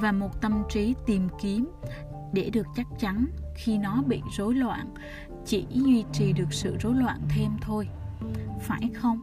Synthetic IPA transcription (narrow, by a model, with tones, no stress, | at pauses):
vaː˨˩mo˨˩t̚t̪ə˧mt͡ɕi˨˦t̪i˨˩mki˨˦əm | ɗe˧˩ɗɨ˨˩ək̚t͡ɕa˦˥k̚t͡ɕa˨˦nxi˧nɔ˨˦ɓḭ˧˨zo˨˦jlwa̰ː˧˨n | t͡ɕi˧˩ɲwi˧t͡ɕi˨˩ɗɨ˨˩ək̚sɨ̰˧˨zo˨˦jlwa̰ː˧˨nt̪ʰe˧mt̪ʰo˧j | faː˧˩jxə˧wŋ͡m